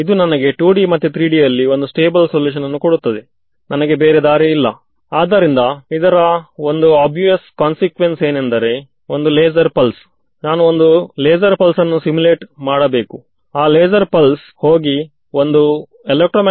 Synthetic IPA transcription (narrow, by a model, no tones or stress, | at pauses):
id̪unɐnɐɡe̞ʈuːɖimɐt̪ːut̪ɾiːɖijɐlːio̞nd̪usʈeːbɐlsoljuːʃ̬ɐnɐnːukoɽut̪ːɐd̪e̞ | nʔɐnɐɡe̞beːɾed̪aːɾeilːɐ̰ | aːd̪ɐɾind̪ɐid̪ɐɾɐo̞nd̪uaːbjujɐskaːnsikʋense̞ːnend̪ɐɾe̞ | o̞nd̪uleːzɐɾpɐls | naːnuond̪uleːzɐɾpɐlsɐnːusimule̞ːʈmaːɽɐbe̞ːku | aːleːd͡ʒɐɾpɐls | ho̞ːɡi | ond̪u | elek̚ʈɾoːm